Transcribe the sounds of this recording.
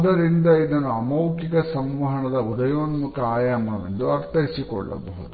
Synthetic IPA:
d̪ɐɾind̪ɐid̪ɐnːuɐmɐwkikɐsɐmʋɐɦɐɳɐd̪ɐud̪ɐjoːnmukɐaːjaːmɐɐʋḛnd̪uɐɾt̪ɐɦisikɔ̰ɭːɐ̰bɐɦud̪u

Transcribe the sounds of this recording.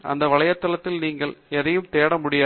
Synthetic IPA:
ʔɐ̰nd̪ɐʋɐɭɐjɐt̪ːɐlɐt̪ːɪlniːŋɡɐɭɛrɐjɯmt̪eːɽɐmʊɽɪjaː

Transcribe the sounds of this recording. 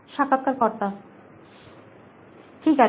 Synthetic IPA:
ʃakːat̪̚kaɾkɔɾt̪a | ʈʰika

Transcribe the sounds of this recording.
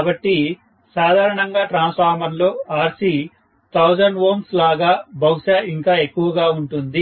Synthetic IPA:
abɐʈːi | saːd̪ʱaːɾɐɳɐŋɡaːʈɾaːnspʰaːɾmɐɾlo̞ːaːɾsi | t̪ʰɐwd͡ʒɐɳɖʋoːmslaːɡaːbɐwʂaːiŋkaːe̞kːuʋɐɡaːuɳʈund̪i

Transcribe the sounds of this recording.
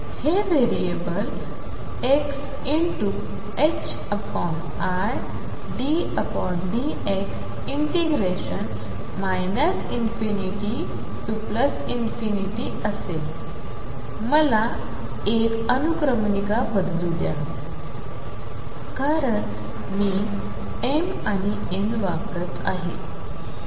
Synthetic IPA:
heʋeɾiebəl | eks | iɳʈu | eks | əpɔm | a | ɾ | ɖi | əpɔɳɖi | eks | iɳʈiɡɾeɕən | majnəsinfiniʈi | ʈupləs | infiniʈi | əsel | məla | ek | ənukɾəmnikabəd̪lud̪ja̰ | kaɾəɳ | miː | em | ani | enʋapɾət̪a̰ɦḛ

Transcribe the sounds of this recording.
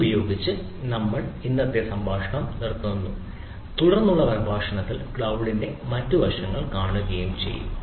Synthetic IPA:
bɐjo̞ːɡit͡ɕːɨ | nɐmːɐɭinːɐt̪ːjesɐmbʱaːʂɐɳɐmnirt̪ːuunːu | t̪uɽɐrnːuɭːɐʋɐrbʱaːʂɐɳɐt̪ːilkɭɐwɽinde̞mɐtːuʋɐʂɐŋːɐɭkaːɳuɣɐjumt͡ɕe̞̰jːṵm

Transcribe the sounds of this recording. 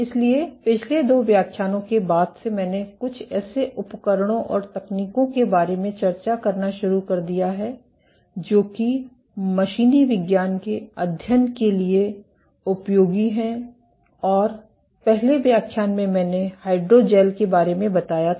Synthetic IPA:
ɪsliepɪt͡ʃʰled̪oːʋjaːkʰjaːnõkebaːd̪semɛ̃ːnekʊt͡ʃʰɛːseʔʊpəkəɾɽ̃õʔɔːɾt̪ɐkniːkõkebaːɾemẽt͡ʃɐɾt͡ʃakɐɾnaʃʊɾukɐɾd̪ijaɦɛ | d͡ʒoːki | mɐʃiːniʋɪɡjaːnkeɐd̪ʱjənkelie | ʊpjoːɡiɦɛ̃ | ɔːɾ | pɛɦleʋjaːkʰjaːnmẽmɛ̃ːnehaːɪɖɾod͡ʒɛːlkebaːɾemẽbɐt̪aːja

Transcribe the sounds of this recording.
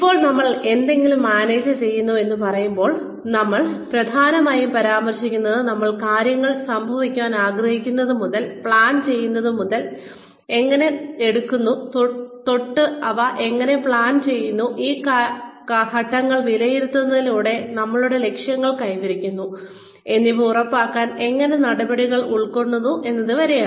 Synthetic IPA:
ipːo̞ːɭnɐmːɐɭe̞nd̪e̞ŋɡilmːaːne̞ːd͡ʑɨt͡ɕe̞jːunːue̞nːupɐrɐjumbo̞ːɭ | nɐmːɐɭprɐd̪ʱaːnɐmaːjumpɐɾaːmɐrɕikʲːunːɐðɨnɐmːɐɭkaːɾjɐŋːɐɭsɐmbʱɐʋikʲːaːnaːɡrɐhikʲːunːɐðɨmuðɐlpɭaːnt͡ɕe̞jːunːɐðɨmuðɐl | e̞ŋːɐne̞eɽukːunːut̪t̪o̞ʈːɨɐʋɐʔe̞ŋːɐne̞pɭaːnt͡ɕe̞jːunːuʔiːk | hɐʈːɐŋːɐɭʋilɐjiɾut̪ːunːɐðiluːɽe̞nɐmːɐɭuɽe̞le̞kʂjɐŋːɐɭkɐjʋiɾikʲːunːu | e̞nːiʋɨurɐpːaːkːaːne̞ŋːɐnenɐɽɐbɐɽiɣɐɭuɭko̞ɳːunːuʔe̞nːɐðɨʋɐɾejaː

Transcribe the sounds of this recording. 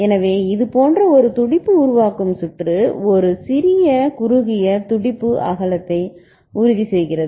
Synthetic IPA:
ɛnɐʋeːɪðɯpoːndrɐɔɾɯt̪ʊɽɪpːɯʊɾʊʋaːkɯmsʊʈrɯɔɾɯsɪɾɪjɐkʊɾʊɣɪjɐt̪ʊɽɪpːɯʔɐ̰ɣɐlɐt̪ːɐɪ | ʊɾɪðisɛjɣɪɾɐðɯ

